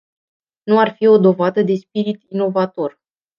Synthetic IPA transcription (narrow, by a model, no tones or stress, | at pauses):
nuarfio̞d̪o̞vad̪əd̪e̞spiɾit̪ino̞vat̪o̞r